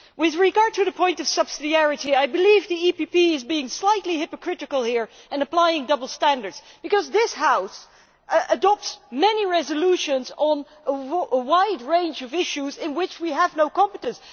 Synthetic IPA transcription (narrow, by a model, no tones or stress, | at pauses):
wɪðɹɨɡɑɹd̚tʰɨðɨpʰɔ̃ɪ̃ntʌv̥sʌb̥sɨdiæɹɨɾiaɪbɨlivðiipipiɪzbiɪ̃ŋslaɪtˡlihɪpɨkʰɹ̥ɪɾɨkəlˠhiɹ | ɨ̃nəpl̥aɪɪ̃ŋdʌbl̩ˠstæ̃ndə˞dz̥ | b̥ɨkʌzðɪshaʊs | ədɑp̚tsmɛniɹɛzɨluʃɨ̃nzn̩ | əəwaɪdɹẽɪ̃nd͡ʒʌvɪʃuzɪ̃nwɪt͡ʃwiəvnoʊkɑ̃mpətɨ̃ns